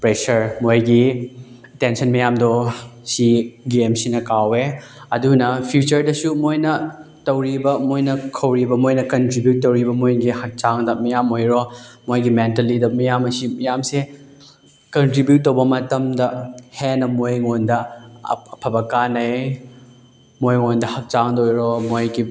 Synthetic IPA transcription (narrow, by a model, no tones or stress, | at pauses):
pɾesɐɾmojɡi | tensɐnmɐjamdosiɡemsinɐkawe | ɐdunɐpʰjut͡ʃɐɾdɐsumojnɐ | tɐwɾibɐmojnɐkʰɐwɾibɐmojnɐkɐntɾibjut̚ːɐwɾibɐmojɡihɐk̚t͡ʃaŋdɐmɐjamojɾomojɡimentɐlidɐmɐjamɐsimɐjamse | kɐntɾibjut̚ːɐwbɐmɐtɐmdɐhenɐmojŋondɐ̰ | ɐpʰɐbɐkanɐj | mojŋondɐhɐk̚t͡ʃaŋdojɾomojɡi